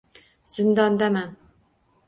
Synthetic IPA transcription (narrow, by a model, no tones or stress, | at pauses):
z̥ɪnd̪ɑnd̪æmæn